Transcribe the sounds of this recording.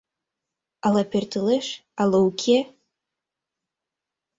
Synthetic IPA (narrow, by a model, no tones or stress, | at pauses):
alapʰʲertʰɨlɨʂalɨwkʲʰe